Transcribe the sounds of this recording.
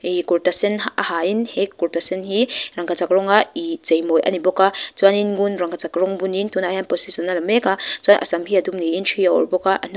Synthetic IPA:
ikuɾtasɛnaahainhekːuɾtasɛnɦiɾaŋkat͡sakɾɔŋait͡sejmɔjʔa̰nibɔkat͡saninɡunɾaŋkʰat͡sakɾɔŋbunintunajhanpɔsisɔnalmɛkat͡swanʔa̰samhiadumniint͡ʃʰijaɔ̰ɾbɔkaʔa̰n̥

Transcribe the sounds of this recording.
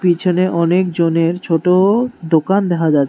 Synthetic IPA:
pit͡ɕʰoneʔɔnekd͡ʑoneɾt͡ɕʰoʈod̪okand̪ɛkʰad͡ʑat̪ː

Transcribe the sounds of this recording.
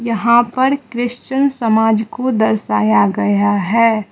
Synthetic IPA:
jɐɦãpɐɾkɾɪʃt͡ʃənsɐmaːd͡ʒkod̪ɐɾsa̰ːjaɡɐjaɦɛː

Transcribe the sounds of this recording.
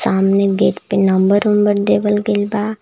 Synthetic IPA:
saːmneɡeːʈ̪penɐ̃mbəɾʊmbəɾd̪eːʋəlɡelbaː

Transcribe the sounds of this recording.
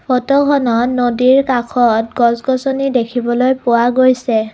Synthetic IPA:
pʰɔtɔkʰɔnɔtnodiɹkakʰɔtɡɔsɡɔsɔnidekʰibɔlojpʊwaɡojsɛ

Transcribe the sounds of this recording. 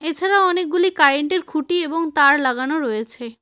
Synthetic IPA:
et͡ɕʰaɾaɔnek̚ɡulikaɾeɳʈeɾkʰuʈieboŋt̪aɾlaɡanoɾojet͡ɕʰe

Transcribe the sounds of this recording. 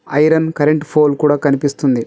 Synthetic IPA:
ɐjɾɐnkɐɾeɳʈpʰoːlkuːɽaːkɐnipist̪und̪i

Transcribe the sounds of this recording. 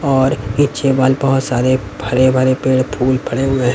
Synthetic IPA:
ɔːɾit͡ʃebaːlbɐɦʊt̪saːɾe | bʱɐɾebʱəɾepeːɽpʰuːlpʰɐɽeʊ̃ẽ

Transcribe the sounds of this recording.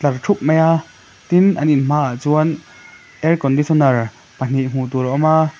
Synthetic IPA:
t͡ɬɐrʈ͡ʂʰup̚mɛja | t̪inʔɐninm̥aːʔaʔt͡suən | ʔɛrkɔndisɔnɐr | pɐn̥iʔm̥uːt̪ulɔʔɔma

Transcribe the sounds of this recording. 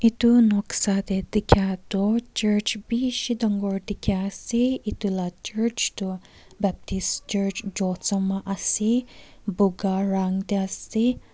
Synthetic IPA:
ʔit̪unɔksat̪ed̪ikʰat̪ot͡ʃəɾt͡ʃbiʃid̪əŋɡɔɾd̪ikʰasiit̪ulat͡ʃəɹt͡ʃt̪u | bɛp̚t̪ist͡ʃəɹt͡ʃd͡ʒɔt̪samaʔasibuɡaɾaŋt̪easi

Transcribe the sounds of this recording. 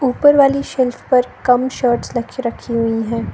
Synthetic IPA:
uːpəɾʋaːliʃɛlfpɐɾkɐmʃəːɾʈsɾɐkʰɾɐkʰiɦʊiɦɛ̃ː

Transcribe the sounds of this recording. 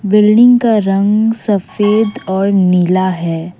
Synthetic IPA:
bɪlɖɪ̃ŋɡkaɾɐ̃ŋɡsɐfeːd̪ɔːɾnilaɦɛː

